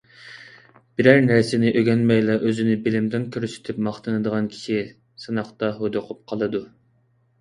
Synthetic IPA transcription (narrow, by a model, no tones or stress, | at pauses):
b̥iɾæɾnæɾsɪnɪʔøɡʲɛnmɛjlɛʔøzɪnɪbɪlɪmd̪ɪnkʲʰøɾysɪ̥t̪ʰɪpmɑχt̪ʰɨnɨd̪əʁɑnkʲʰi̥ʃi | sɨnɑχt̪ɑɦod̪oqʰʊp̚qʰɑlˠɨd̪u